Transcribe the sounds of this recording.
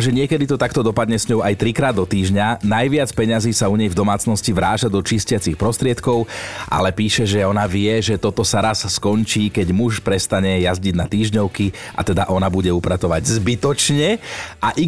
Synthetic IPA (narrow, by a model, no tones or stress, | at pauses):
ʒɛɲɪɛkɛd̪it̪ɔt̪akt̪ɔd̪ɔpad̪ɲɛsɲɔʊajt̪ɾikɾaːd̪ːɔt̪iːʒɲanajʋɪat͡spɛɲaziːsauɲɛjvd̪ɔmaːt͡snɔsciʋɾaːt͡ʃad̪ɔt͡ʃiːscɪat͡sixpɾɔst̪ɾɪɛt̪kɔʊʔa̰lɛpiːʃɛʒɛɔnaʋɪɛʒɛt̪ɔt̪ɔsaɾasskɔɲt͡ʃiːkɛɟmuʃpɾɛst̪aɲɛjazɟiɟnat̪iːʒɲɔʊkiʔa̰t̪ɛd̪aʔɔnabuɟɛupɾatɔʋaɟzbit̪ɔt͡ʃɲɛaʔi